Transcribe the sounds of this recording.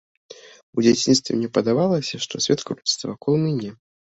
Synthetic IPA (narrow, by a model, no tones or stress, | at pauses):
ud͡zʲat͡sʲinst̪vʲɪ̰mnʲɛpɐd̪avalˠɐsʲɐʂt̪ɔsʲvʲɛt̪kɾust̪vɐvakɔlˠmɨnʲɛ